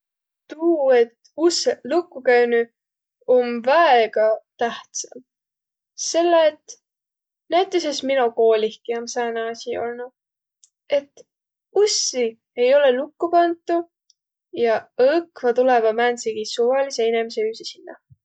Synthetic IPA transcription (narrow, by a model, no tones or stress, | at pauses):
t̪uːe̞t̪ | uselukːˑukæny | omvæeɡ̥ɑt̪æht̪sɑ̰m | se̞lːɑet̪ | næjt̪ːˑesesminuko̞ːlʲihkiɑmsɑːnɑɑsʲio̞̰lnu | e̞t̪ː | usi | e̞jo̞le̞lukːupɑnt̪ˑːu | jɑɤkvɑt̪ulevɑmænsiɡ̥isuvɑliseenemiseyːsisinːɑ̰